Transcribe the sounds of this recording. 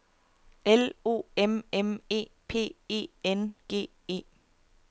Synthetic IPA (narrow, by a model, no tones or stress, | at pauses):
elo̝̰ːememe̝̰ːpʰe̝̰ːe̝̰ːenɡ̥e̝̰ː | e̝̰ː